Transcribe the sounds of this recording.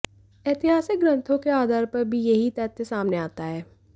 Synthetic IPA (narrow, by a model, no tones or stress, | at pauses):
eːt̪ɪɦaːsɪk̚ɡɾə̃nt̪ʰõkeaːd̪ʱaːɾpɐɾbʱijɐɦit̪ɛt̪ːesaːmneaːt̪aɦɛː